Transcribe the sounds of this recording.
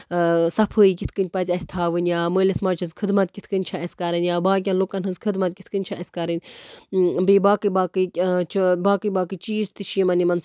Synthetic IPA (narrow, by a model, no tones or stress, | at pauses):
sɐpʰəːjikit̪ʰkɨnʲpɐzʲɐsʲt̪ʰaːʋɨnʲjaːməːlʲɐsmaːt͡ʃʰɐzkʰɨd̪mɐt̪̚kʲit̪ʰkɨnʲt͡ʃʰaɐsʲkɐɾɐnjaːbaːk̬ʲanlokɐnɦɨnzkʰɨd̪mɐt̪̚kʲit̪ʰkɨnʲt͡ʃʰaʔɐsʲkɐɾɨnʲ | bibaːkɨbaːkɨt͡ʃʰbaːkɨjbaːkɨt͡ʃiːzt̪ɨʃʰiːmɐnimɐns